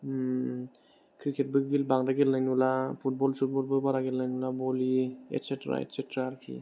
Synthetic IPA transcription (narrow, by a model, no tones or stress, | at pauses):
kʰɾiket̚bɯɡilbaŋdaɡelnajnulapʰut̚bɔlsut̚bɔlbɯbaɾaɡilnajnulabɔliḛtsetɾa̰ḛtsetɾaːɾkʰḭ